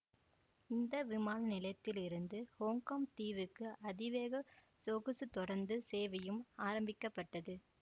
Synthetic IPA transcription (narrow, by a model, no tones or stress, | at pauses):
ɪnd̪ɐʋɪmaːnɐnɪlɐt̪ːɪlɪɾɯnd̪ɯhoːŋkɐmt̪iːʋɯkːɯʔɐðɪʋeːɣɐsoɣɯsɯt̪ːɔɽɐɾnd̪ɯseːʋɐjɯmaːɾɐmbɪkːɐpːɐʈːɐðɯ